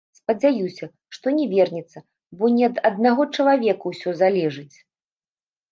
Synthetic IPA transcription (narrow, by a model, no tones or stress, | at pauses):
spɐd͡zʲajusʲɐ | ʂt̪ɔnʲɛvʲɛrnʲɛt̪sːɐ | bɔnʲɛɐd̪ɐd̪̚naɣɔt͡ʂɐlˠavʲɛkuwsʲɔzalʲɛʐɨt͡sʲ